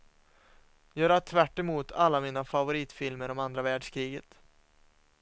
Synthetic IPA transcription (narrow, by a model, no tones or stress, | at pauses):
jœːɾat̪ʰvæʈːɛmuːt̪ʰalːamiːnafavʊɾiːt̪fɪlməɾɔmand̪ɾavæːɖʂkʰɾiːɡət̪